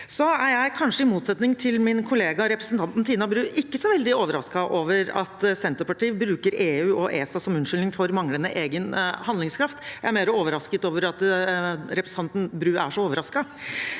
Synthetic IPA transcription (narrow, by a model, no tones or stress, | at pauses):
sɔæɾjæɪkʰɑnʂəɪmuːt̪sɛt̪nɪŋt̪ʰɪlmɪnkʰʊleːɡɑɾɛpɾəsnt̪ɑnt̪n̩t̪ʰiːnɑbɾʉːʔɪkːəsɔʋɛld̪ɪoːʋəɾɑ̰skɑʔoːʋəɾɑ̰t̪sɛnt̪əpʰɑʈiːbɾʉːkəɾeːʉːʔɔʔeːsɑsɔmʉnʂʏlnɪŋfɔɾmɑŋlənəʔeːɡənhɑnd̪ɪŋskʰɾɑft̪jjæɪæɾmeːɾəoːʋəɾɑskət̪oːʋəɾɑt̪ | ɾɛpɾsɑnt̪n̩bɾʉːʔæʂɔoːʋəɾɑskɑ